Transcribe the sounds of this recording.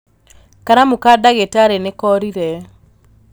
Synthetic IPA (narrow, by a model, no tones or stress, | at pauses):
kaɾamukadaɡetaɾenekɔɾiɾɛ